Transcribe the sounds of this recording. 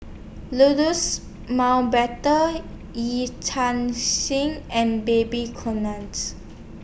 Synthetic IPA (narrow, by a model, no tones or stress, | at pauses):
ludus | mawbɛtə | jitʰãnsĩŋɛ̃nbebikʰɔnãnt